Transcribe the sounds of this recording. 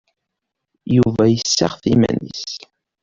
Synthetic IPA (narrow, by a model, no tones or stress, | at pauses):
juvæjəsːaʁθimæ̰nis